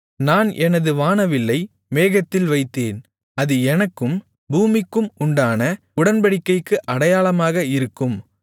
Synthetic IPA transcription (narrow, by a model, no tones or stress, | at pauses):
naːnʔɛnɐðɯʋaːnɐʋɪlːɐɪ | meːɣɐt̪ːɪlʋɐɪt̪ːeːn | ɐðɯɛnɐkːɯm | buːmɪkːɯmʊɳɖaːnɐ | ʊɽɐnbɐɽɪkːɐɪkːɯʔɐɽɐjaːlɐmaːɣɐɪɾɯkːɯm